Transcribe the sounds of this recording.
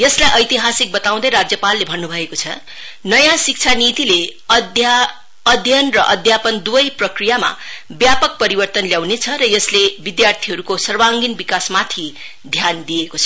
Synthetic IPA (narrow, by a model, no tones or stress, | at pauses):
jʌslajʔʌjt̪iɦasik̚bʌt̪aw̃d̪ʌjɾad͡zjʌpalːebʱʌnːubʱʌekot͡sʰʌ | nʌjãsik̚t͡sʰanit̪ileʌja | ʌd̪ʱjʌnrʌʔʌd̪ʱjapʌnd̪ubʌjprʌkrijama̰bjapʌk̚pʌɾibʌrt̪ʌnljaw̃net͡sʰʌɾʌjʌslebid̪jart̪ʰiɦʌɾukosʌrwaŋɡinbikasmat̪ʰi | d̪ʱjand̪ijekot͡sʰʌ